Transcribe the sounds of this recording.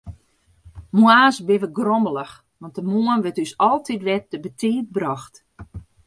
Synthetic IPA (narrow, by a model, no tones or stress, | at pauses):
mwaːsbɪʋəɡrɔmbəlˠəx | ʋɑnt̚dəmuənʋətysɔlˠtʰitʋɛtːəbətʰiːət̚brɔxt